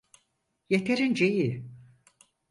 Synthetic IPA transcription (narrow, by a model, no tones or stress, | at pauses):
jet̪ʰeɾind͡ʒeji